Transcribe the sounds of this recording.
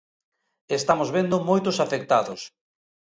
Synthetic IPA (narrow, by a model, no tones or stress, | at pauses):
est̪amozβend̪ʊmojt̪ʊsafek̚t̪aðʊs